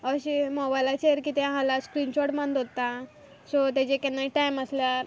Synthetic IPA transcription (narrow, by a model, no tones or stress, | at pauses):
əɕimɔbajlat͡ɕeɾkit̪ẽãɦãlaskɾinɕɔʈmand̪ɦot̪ːa | sɔt̪at͡ɕekɛnːaiʈajməsljaɾ